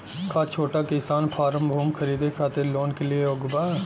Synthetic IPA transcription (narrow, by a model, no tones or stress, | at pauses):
kat͡ʃʰoːʈakɪsaːnpʰaːɾə̃mbʱuːmkʰəɾiːd̪ekʰaːt̪eɾloːnkelieoɡbaː